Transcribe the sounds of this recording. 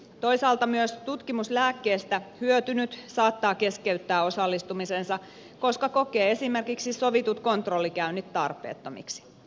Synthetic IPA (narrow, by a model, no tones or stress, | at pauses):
t̪o̞isɑːlt̪ɑmyøst̪ut̪kimuslæːkːeːst̪æhyøt̪ynyt̪sɑːt̪ːɑːke̞skeyt̪ːæːo̞sɑlːist̪umisensɑ | ko̞skɑko̞keːesimerkiksisoʋit̪ut̪ko̞nt̪rolːikæynːit̪tːɑrpˑḛːt̪ːomḭksi̥